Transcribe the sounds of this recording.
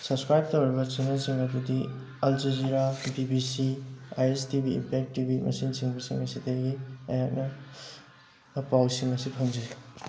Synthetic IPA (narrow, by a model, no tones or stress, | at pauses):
sɐbskɾajb̚towɾibɐt͡ʃenɐsiŋɐtudi | ɐld͡ʒiziɾabibisiajestibḭːmpek̚tibimɐ̰sinsiŋbɐsiŋɐsiteɡiɐjak̚nɐ | pawsiŋɐsipʰɐŋd͡ʒi